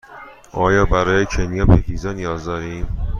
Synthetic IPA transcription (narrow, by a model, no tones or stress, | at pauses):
ʔɒːjɒːbæɾɒːjecʰenijɒːpʰehiːzɒnijɒːzd̪ɒːɾiːm